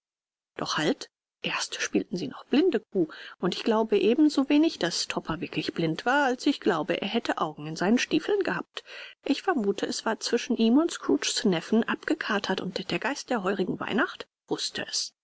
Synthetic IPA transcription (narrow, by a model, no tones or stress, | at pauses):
d̥ɔχhalt | ʔeːɐstʃpiːltn̩ziːnɔχb̥lɪndəkʰuːʔʊntɪçɡ̥laʊbəʔeːbm̩zoveːnɪçd̥astʰɔpʰɐvɪɐklɪçb̥lɪntv̥aːɐalsɪçɡ̥laʊbəʔḛːɐɦɛtʰəʔaʊɡŋ̩ɪnzaɪnənʃtiːfl̩nɡəha̰ːp̚tʔɪçfɛɐmuːtʰəɛsv̥aːɐt͡sv̥ɪʃn̩ʔiːmʊntskɹuːt͡ʃsnɛfn̩ʔapɡ̥əkʰaːtʰɐtʊntd̥eːɐɡ̥aɪst̚d̥eːɐɦɔʏʁɪɡŋ̩va̰ɪnaχt | v̥ʊstʰəʔɛs